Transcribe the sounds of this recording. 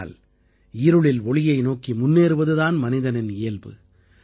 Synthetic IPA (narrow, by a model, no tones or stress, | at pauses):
l | ɪɾɯɭɪlɔɭɪjɐɪnoːkimʊnːeːɾɯʋɐðɯðaːnmɐnɪðɐnɪnɪːlbɯ̰